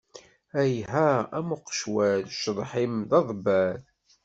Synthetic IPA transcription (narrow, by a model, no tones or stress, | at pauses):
æjɦææmʊqːʃwæɾʃðˤħimðɑðˤbæɾ